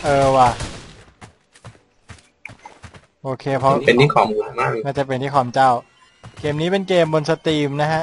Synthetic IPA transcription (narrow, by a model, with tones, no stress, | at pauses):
ʔɤː˧waː˧˩ | ʔoː˧kʰeː˧pʰɔ˧˥pe˧nt̪ʰiː˥˩kʰɔː˨˩˦muː˧˩nmaː˥˩ŋaː˥˩t͡ɕa˨˩pe˧nt̪ʰiː˥˩ɔː˩˦mt͡ɕa˥˩w | keː˧mniː˦˥pe˧nkeː˧mbo˧nsa˧t̪iː˧˩mna˦˥kʰa˦˥ʔ